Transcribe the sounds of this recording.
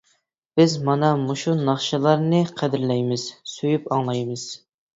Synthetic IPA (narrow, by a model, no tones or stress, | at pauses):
b̥ɪzmɑnɑmoʃunɑχʃɨlˠɑɾnɨqʰæd̪ɪɾlɛjmɪz̥søjypɑŋlˠɑjmɨz̥